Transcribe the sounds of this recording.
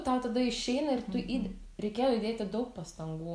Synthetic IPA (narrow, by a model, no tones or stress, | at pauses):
t̪ɑːʊt̪ɐd̪ɐɪʃʲɛɪnɐɪrt̪ʊʔiːd̪ʲɾʲɛɪkʲeːjoːɪd̪ʲeːt̪ʲɪd̪ɐʊk̚pɐst̪ɐŋɡuː